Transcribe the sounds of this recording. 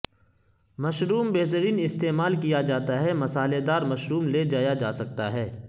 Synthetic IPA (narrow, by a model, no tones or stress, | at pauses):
mɐʃɾuːmbeɦt̪əɾiːnɪst̪eːmaːlkijad͡ʒaːt̪aɦɛmɐsaːled̪aːɾmɐʃɾuːmled͡ʒaːjad͡ʒaːsɐk̚t̪aɦɛː